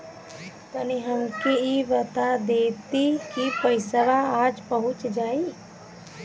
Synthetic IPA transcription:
k̪əniɦəmkeiʋət̪ad̪eːt̪ikipəɪsəʋaaːd͡ʒpəɦʊt͡ʃd͡ʒaːi

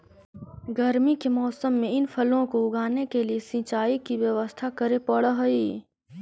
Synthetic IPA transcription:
ɡəɾmikemɔːsəmːẽɪnpʰɐlõkoʊɡaːnekeliesĩt͡ʃaːikiʋjɐʋəst̪ʰakɐɾepɐɽəɦɐiː

